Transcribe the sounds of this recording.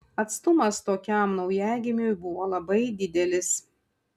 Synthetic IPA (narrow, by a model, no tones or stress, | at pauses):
ɐt̪st̪ʊmɐst̪oːkʲɛˑmnɒʊjæːɡʲɪmʲʊjbʊʋoːlˠɐbɐɪd̪ʲɪd̪ʲɛlʲɪs